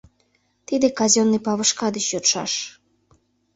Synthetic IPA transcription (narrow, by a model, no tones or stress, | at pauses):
t̪id̪ekɑzʲonːipɑβəʃkɑd̪ət͡ɕjot̪ʃɑ̰ʃ